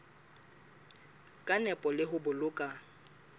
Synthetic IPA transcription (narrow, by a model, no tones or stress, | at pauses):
kʼanɛpʼɔlɪɦʊbʊlʊkʼa